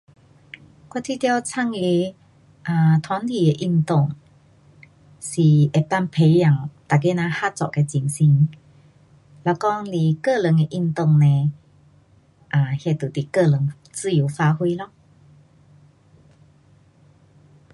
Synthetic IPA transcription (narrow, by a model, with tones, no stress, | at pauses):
ka˧˥t̪ʰi˥˧t̪ja˧˩wt͡sʰa˥˧˨ŋi˧˦ | ʔa˨˩t̪ʰwa˨˦nt̪ʰi˨˩e˧ʔi˧ŋt̪o˥˧˨ŋ | si˨˩ʔe˨˩t̪a˥˨ŋpʰe˨˦ja˨˩ŋt̪a˨˩ke˧˦nã˧ha˦˥t͡sɔ̰˨ʔke˧t͡ɕi˧nsi˧ŋ | la˧˩kɔ˧˥ŋli˧˨˩kə˥˧˨lə˨˦ŋe˧ʔi˥˧ŋt̪o˥˧˨ŋnẽ˧ | ʔa˨˩hja˧˩t̪u˨˩t̪i˨˩kə˥˧lə˨˦ŋ | t͡sɨ˥˧˨ju˨˧˦fa˧hwi˧lɔ˧˩